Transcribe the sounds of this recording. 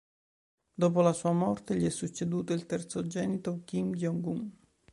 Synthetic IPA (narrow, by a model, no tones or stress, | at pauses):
d̪oːp̬olasuːamɔrt̪eʎiɛsːut͡ʃːed̪uːt̪oilt̪ɛrt̪sod͡ʒɛːnit̪okimdɔŋɡuŋ